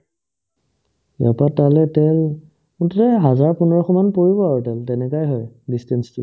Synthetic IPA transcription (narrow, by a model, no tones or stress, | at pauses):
a̰patalɛtɛl | uttɛɦazaɹpunɔɹɔxʰɔmanpoɹibɔaɹɔtɛltɛnɛkajɦɔjdistɛnstʊ